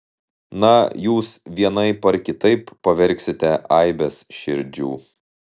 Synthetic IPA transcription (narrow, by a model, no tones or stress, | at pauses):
nɐjuːsʋʲiɛnɐɪpɐɾkʲɪt̪ɐɪpːɐʋʲɛɾʲksʲɪt̪ʲɛʔɐɪbʲɛsʃʲɪɾʲd͡ʒʲuː